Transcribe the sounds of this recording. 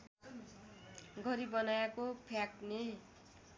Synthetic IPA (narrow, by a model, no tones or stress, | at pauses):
ɡʱʌɾibʌnajakopʰjakne